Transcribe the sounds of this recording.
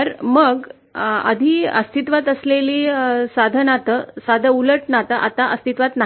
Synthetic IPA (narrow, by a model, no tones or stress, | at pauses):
əɾməɡ | ə̰d̪ʱiːə̰st̪it̪ʋat̪əsleliːsad̪ʱənat̪əsad̪ʱəuləʈnat̪aʔat̪aʔəst̪it̪ʋat̪na